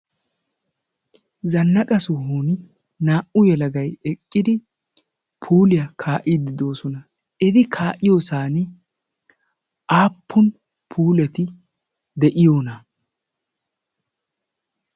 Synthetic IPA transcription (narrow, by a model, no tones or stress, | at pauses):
zɐnːɐkʼɐsʊhuːn | naːʔʊjɛlɐɡɐjɛkʼːɪd̪ɪ | pʰuːlɪjɐkʰaːʔɪd̪ɪd̪o̞ːsɔnɐ | ɛd̪ɪkʰaːʔɪjoːsaːn | ʔaːpʰːʊn | pʰuːlɛt̪ɪ | d̪ɛʔɪjo̞ːnɐ